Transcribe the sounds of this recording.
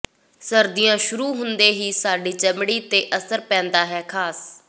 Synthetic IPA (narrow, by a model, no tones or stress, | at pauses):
səɾd̪ɪjãːʃʊɾuːɦʊnd̪eːɦiːsaːɖiːt͡ʃəmɽiːt̪eːʔəsəɾpɛ̃ːnd̪aːɦɛːkʰaːs